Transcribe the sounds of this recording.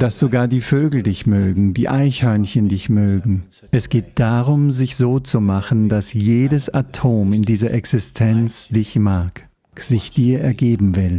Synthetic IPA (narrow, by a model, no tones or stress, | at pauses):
d̥asz̥oɡaːɐdiːføːɡl̩dɪçmøːɡŋ̩diːʔaɪçhœɐnçəndɪçmøːɡŋ̩ | ʔɛsɡ̥eːt̚d̥aʁʊmzɪçz̥oːt͡sumaχn̩dasjeːdəsatʰoːmɪndiːzɐʔɛksɪstʰɛnt͡sd̥ɪçmaɐk | z̥ɪçd̥iːɐɛɐɡeːbm̩vɪl